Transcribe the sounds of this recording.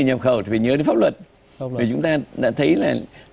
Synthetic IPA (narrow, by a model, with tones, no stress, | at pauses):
ɲə˨˩p̚xə˨˩wt̪ʰi˨˩vi˨˩ɲəː˨˦e˨˦nfa˦˥p̚lwə˨˩t̚ | i˨˩t͡ɕʊ˨˦ŋ͡mt̪aː˧ɗa̰ː˧˥t̪ʰə˨˦jlaː˨˩